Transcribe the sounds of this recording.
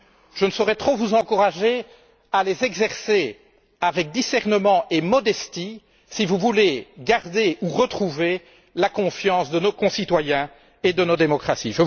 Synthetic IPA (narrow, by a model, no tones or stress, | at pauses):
ʒ̥ənəsɔʁɛt̪χovuzɑ̃kuʁaʒe | alezɛɡzɛʁse | avɛk̚d̪isɛʁnəmɑ̃ʔemɔd̪ɛst̪i | sivuvuleɡaʁd̪euʁət̪χuve | lakɔ̃fjɑ̃sd̪ənokɔ̃sit̪wajɛ̃ | ed̪ənod̪emɔkχasḭʒə